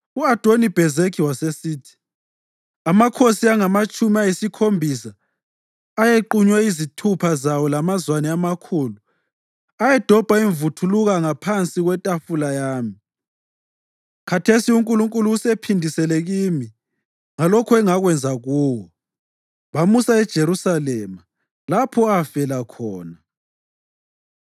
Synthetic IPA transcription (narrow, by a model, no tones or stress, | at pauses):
uad̥ʱonib̥ʱɛzekʰiwasesiːtʰi̥ | amakʰosiaŋamat͡ʃʼumiajisikʰombʱisaː | jeǃuɲwɛizitʰupʰazawɔlamazwanɛamakʰuːlu | ajɛd̥ʱɔb̥ʱaiɱvutʰuluɣaŋapʰant͡sʼiɣwɛtʼafulajaːmi | kʰatʰesiuŋkʼuluŋkʼuluusepʰindʱisɛlɛɣimi | ŋalɔkʰɔɛŋaɣwɛnd͡zʱaɣuːwɔ | βamusaɛd̥ʒ̥ʱeɾusalɛma | lapʰɔafɛlakʰɔːna